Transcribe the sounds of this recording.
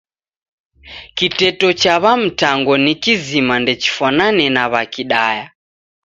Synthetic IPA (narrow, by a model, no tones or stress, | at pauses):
kitɛtɔt͡ʃaβam̩taŋɡɔnikizimandɛt͡ʃi̥fwananɛnaβakiɗaja